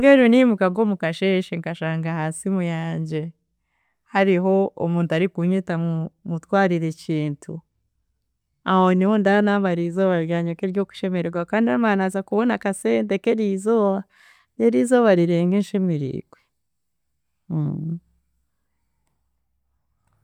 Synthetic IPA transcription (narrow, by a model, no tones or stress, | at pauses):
ŋɡeɾunimukaɡo̞ːmukaʃeʃeŋkaʃaːŋɡahaːsimujaːɲɟe̞ | haɾiɦo̞omuːntaɾikuɲitamumutwaːɾiɾe̞ciːntʰu | ahoniho̞ndanaːβaɾizoːβaɾjaːɲokeɾjo̞ːku̥ʃe̞meɾeɡwakaːndiamaːnazakuβo̞nakase̞ːnte̞keɾizo̞ːβa | jeɾiːzo̞ːβaɾiɾeːŋɡenʃemiɾḭːɡ̥we